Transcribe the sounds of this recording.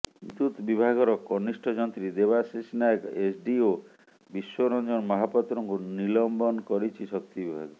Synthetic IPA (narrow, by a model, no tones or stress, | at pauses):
d̪ut̪bibʱaɡɔɾɔkɔnisʈʰɔd͡ʒɔnt̪ɾid̪ebasisnakesɖio | biswɔɾɔnd͡ʒɔnmɔɦapɔt̪ːɾɔŋkunilɔmbɔnkɔɾit͡ʃʰisɔk̚t̪ibibʱaɡɔ